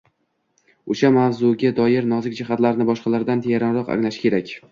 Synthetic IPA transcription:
oʃamavzuɡʲad̪ɒjɪɾnɒzɪk̚ʲd͡ʒɪɦat̪laɾnɪbɒʃqɑlaɾd̪ant̪ʰejaɾanɾɒqa̰ŋlaʃɪ̥kʲʰe̞ɾakʲ

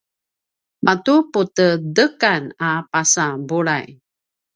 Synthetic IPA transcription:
mʔatuputədəkanapasabuɭaj

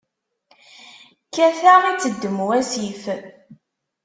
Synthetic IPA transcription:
kːæθaʁit͡sːəd̪ːəmwæsif

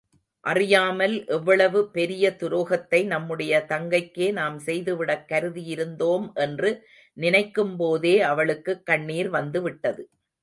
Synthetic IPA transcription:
ʔɐrɪjaːmɐlʔɛʋːɐɭɐʋɯpɛɾɪjɐt̪ʊɾoːɣɐt̪ːɐɪnɐmːɯɽɐjɐt̪ɐŋɡɐɪkːeːnaːmsɛjðɯʋɪɽɐkːɐɾɯðijɪɾɯnd̪oːmʔɛndrɯ | nɪnɐɪkːɯmpoːðeːɐʋɐɭɯkːɯkːɐɳːiːɾʋɐnd̪ɯʋɪʈːɐðɯ

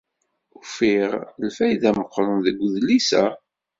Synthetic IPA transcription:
ufiʁlfæjðæməqʷːɾˤənðəɡʷðlisæ

